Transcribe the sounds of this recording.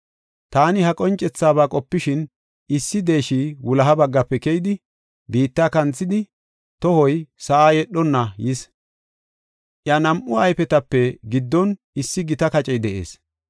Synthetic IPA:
t̪aːnɪɦɐkʼɔnt͡ʃʼːɛt͡sːaːβaːkʼɔpːɪʃɪn | ɪsːɪd̪e̞ːʃiːwʊlɐɦɐbɐɡːɐpːɛkɛjɪd̪ɪ | biːt̪ːaːkɐnt͡sːɪd̪ɪ | t̪ɔhɔjsɐʔaːjɛɗːɔnːɐjɪs | ʔjɐnɐmʔʊɐjpɛt̪ɐpːɛɡɪd̪ːɔn | ɪsːɪɡɪt̪ɐkɐt͡ʃʼɛjd̪ɛʔḛːs

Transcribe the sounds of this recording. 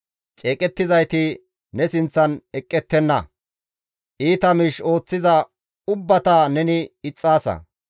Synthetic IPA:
t͡ʃʼeːkʼɛt̪ːɪzɐjt̪ɪ | nɛsɪnt͡sːɐnɛkʼːɛt̪ːɛnːɐ | ʔiːt̪ɐmiːʃo̞ːt͡sːɪzɐ | ʊbːɐt̪ɐnɛnɪɪt͡sʼːaːsɐ̰

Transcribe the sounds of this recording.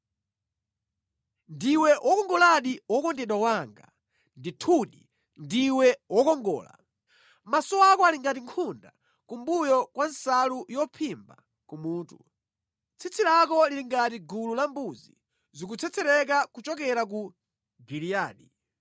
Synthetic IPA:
ndiwɛʔwʔɔkɔŋɡɔlaɗiwɔkɔndɛɗwawaŋɡa̰ | nditʰuɗi | ndiwɛwɔkɔŋɡɔ̰ːla̰ | masɔakɔaliŋɡatiŋkʰunda | kumbujɔkwansalujɔpʰimba̰ | kumuːtu | t͡sʰit͡sʰilak̬ɔliɾiŋɡatiɡululambuzḭ | zikut͡sʰɛt͡sʰɛɾɛk̬akut͡ʃɔk̬ɛɾak̬u | ɡiɾijaːɗi

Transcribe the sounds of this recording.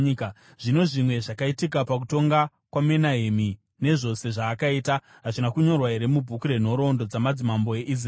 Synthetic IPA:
ʐ̥ino̞ʐimwe̞ʐakaitikapak̬uto̞ŋɡa | kwame̞naɦemi | ne̞ʐo̞se̞ʐaːkaiːta | ɦaʐinakuɲo̞rwaɦe̞ɾe̞mubʱukuɾe̞n̤o̞ɾo̞ndo̞d͡zamad͡zimambo̞e̞ʔis̬r

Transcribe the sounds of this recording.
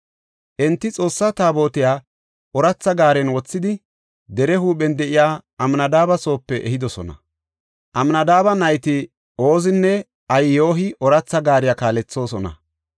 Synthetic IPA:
ʔɛnt̪ːɪt͡sʼo̞ːsːɐt̪aːbo̞ːt̪ɪjaː | ʔɔɾɐt͡sːɐɡaːɾɛnwɔt͡sːɪd̪ɪ | d̪ɛɾɛɦuːɓɛnd̪ɛʔɪjaːɐmnɐd̪aːbɐso̞ːpːɛʔɛ̰hɪd̪ɔsɔnɐ̰ | ʔɐmnɐd̪aːbɐnɐjt̪ɪ | ʔo̞ːzɪnːɛ | ɐjjo̞ːɦɪɔɾɐt͡sːɐɡaːɾɪjakaːlɛt͡sːo̞ːsɔnɐ̰

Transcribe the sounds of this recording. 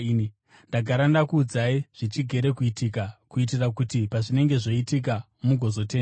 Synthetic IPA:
ndaɡʱaɾandakuːd͡zaiʐ̥it͡ʃiɡʱe̞ɾe̞kuitikakuit̬irakutipaʐine̞ŋɡe̞ʐo̞itik̬a | muɡʱo̞zo̞te̞ːnda

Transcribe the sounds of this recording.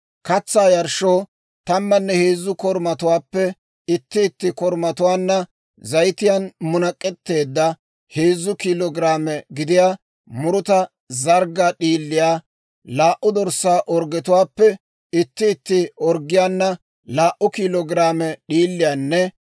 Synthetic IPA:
kɐt͡sːaːjɐɾʃoː | t̪ɐmːɐnːɛheːzːʊkɔɾmɐt̪ʊwaːpːɛ | ɪt̪ːɪːt̪ːɪkɔɾmɐt̪ʊwaːnːɐ | zɐjt̪ɪjɐnmʊnɐkʼːɛt̪ːe̞ːd̪ːɐ | heːzːʊkilɔɡɾaːmɛɡɪd̪ɪjaː | mʊɾʊt̪ɐ | zɐɾɡɐɗiːlːɪjaː | laːʔːʊd̪ɔɾsaːʔɔɾɡɛt̪ʊwaːpːɛ | ɪt̪ːɪːt̪ːɪɔɾɡɪjanːɐ | laːʔʊkilɔɡɪɾaːmɛɗiːlːɪjanːɛ

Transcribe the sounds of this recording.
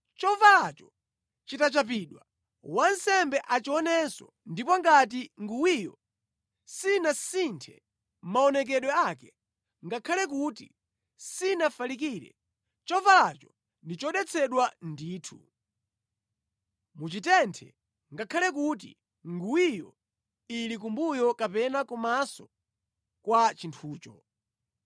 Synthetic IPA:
t͡ʃɔvalat͡ʃɔ | t͡ʃitat͡ʃap̬iɗwa | wansɛmbɛʔat͡ʃiɔnɛsɔ̰ | ndipɔŋɡat̬iŋɡuwijɔ | sinasintʰɛ̰ | m̩maɔnɛk̬ɛɗwɛakɛ | ŋɡakʰalɛk̬uti | sinafalik̬iːɾɛ̰ | t͡ʃɔvalat͡ʃɔ | ndit͡ʃɔɗɛt͡sʰɛɗwandiːtʰu | mut͡ʃitɛntʰɛ̰ | ŋɡakʰalɛk̬ut̬ḭ | ŋɡuwijɔ̰ | ilik̬umbujɔkapɛnakɔmasɔ | kwat͡ʃintʰuːt͡ʃɔ

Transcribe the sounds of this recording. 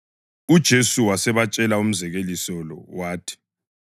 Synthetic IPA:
ud̥ʒ̥ʱesuwasɛβat͡ʃʼɛlaum̩zɛɣelisɔlɔ̰waːtʰi̥

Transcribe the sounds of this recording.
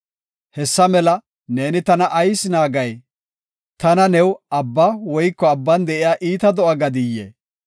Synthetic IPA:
hɛsːɐmɛlɐ | ne̞ːnɪt̪ɐnɐʔɐjsɪnaːɡɐj | t̪ɐnɐnɛwɐbːɐwɔjkːɔɐbːɐnd̪ɛʔɪjaːʔiːt̪ɐd̪ɔʔɐɡɐd̪ɪjːḛ

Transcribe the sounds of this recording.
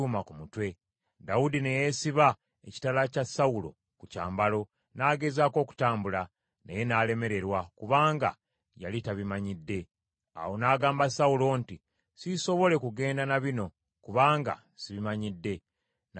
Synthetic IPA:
umakumutwe̞ | daudine̞je̞siβa | eci̥talacasaulo̞̰ | kuca̰ːmbalo̞ | naːɡe̞zaːko̞ːku̥taːmbula | nejenaːle̞me̞ɾe̞ɾwakuβaːŋɡa̰ | ja̰litaβimaɲidːe̞ | a̰wo̞naːɡaːmbasaulo̞nti | siso̞βo̞le̞kuɡe̞ːndanaβino̞ | kuβaːŋɡa̰ | siβimaɲidːe̞ | n

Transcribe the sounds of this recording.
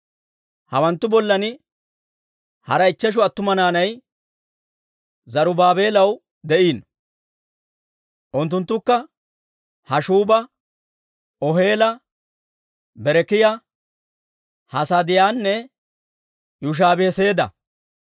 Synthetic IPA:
hɐwɐnt̪ːʊbɔlːɐnɪ | hɐɾɐɪt͡ʃːɛʃ̬ʊɐt̪ːʊmɐnaːnɐj | zɐɾʊbaːbe̞ːlɐw | d̪ɛʔiːn | ʔʊnt̪ːʊnt̪ːʊkːɐ | hɐʃuːbɐ | ɔɦe̞ːlɐ | bɛɾɛkɪjɐ | hɐsɐd̪ɪjaːnːɛ | jʊʃ̬aːbɛɛse̞ːd̪ɐ̰

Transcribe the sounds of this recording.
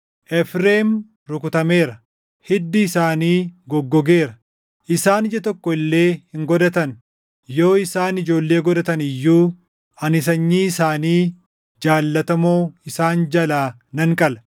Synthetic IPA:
ʔɛfɾeːm | ɾʊkʊt̪ɐme̞ːɾɐ | hɪd̪ːɪːsaːniːɡɔɡːɔɡe̞ːɾɐ | ʔɪsaːnɪd͡ʒɐt̪ɔkːɔɪlːe̞ːhɪŋɡɔd̪ɐt̪ɐn | jo̞ːɪsaːnɪd͡ʒo̞ːlːe̞ːɡɔd̪ɐt̪ɐnɪjːuː | ɐnɪs̬ɐɲːiːɪsaːniː | d͡ʒaːlːɐt̪ɐmoːɪsaːnd͡ʒɐlaː | nɐŋkʼɐlɐ

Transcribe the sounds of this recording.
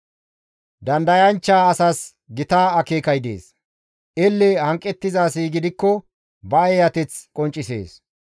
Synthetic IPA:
d̪ɐnd̪ɐjɐnt͡ʃːaːɐsɐs | ɡɪt̪aːɐkeːkɐjd̪ḛːs | ʔɛlːɛhɐŋkʼːɛt̪ːɪzaːsiːɡɪd̪ɪkːɔ | bɐɛjɐt̪ɛt͡skʼɔnt͡ʃʼːɪsḛːs

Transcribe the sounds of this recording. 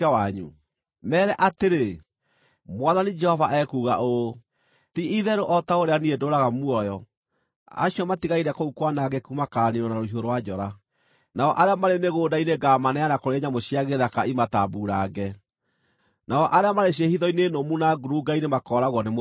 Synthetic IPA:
aaɲṵ | mɛːɾɛʔateɾe | mwaðanid͡ʒɛhɔvaʔɛkuɣaʔo | tiiðɛɾoʔɔtaoɾeaniedoːɾaɣamuɔjɔ | a̰ɕiɔmatiɣaiɾɛkoukwanaɡɛkumakaːniɔnaɾoiɦoɾowad͡ʒɔɾa | naɔʔaɾeamaɾeneɣoːdaineɡamanɛanakoɾeɲamoɕiaɣeðakaimataːbuɾaɡɛ | naɔʔaɾeamaɾeɕ̬iehiðɔinenomunaɡuɾuɡainemakɔːɾaɣwɔnem

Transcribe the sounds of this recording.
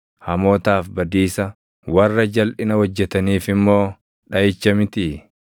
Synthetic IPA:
hɐmo̞ːt̪aːfbɐd̪iːsɐ | wɐrːɐd͡ʒɐlʔɪnɐwɔd͡ʒːɛt̪ɐniːfɪmːo̞ː | ᶑɐjɪt͡ʃːɐmɪt̪ɪ

